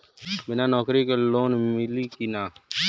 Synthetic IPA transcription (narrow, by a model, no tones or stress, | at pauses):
bɪnaːnɔːkɾikeloːnmɪliːkinaː